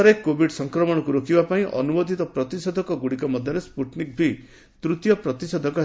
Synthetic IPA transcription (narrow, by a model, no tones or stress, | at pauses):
ɾekːobʱiɖsɔŋkɾɔmɔɽ̃ɔkuɾokibapaĩʔɔ̰numod̪ʱit̪ɔpɾɔt̪isɔd̪ʱɔkɔɡuɽikɔmɔd̪ʱjɔɾespuʈnik̚bʱi | t̪ɾut̪jɔpɾɔt̪isɔd̪ʱɔkɔ